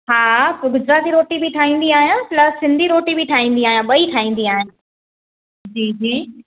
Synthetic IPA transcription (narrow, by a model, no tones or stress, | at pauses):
ɦaːɡʊd͡ʑɾaːt̪iɾoːʈibɪʈʰaːĩːn̆d̪iaːɦijãplɐssɪ̃nd̪ʱiɾoːʈibʱɪʈʰaːɦĩːnd̪iaːɦijãɓɐiʈʰaːĩːn̆d̪iaːɦɪnɪ̆ | d͡ʑiːd͡ʑiː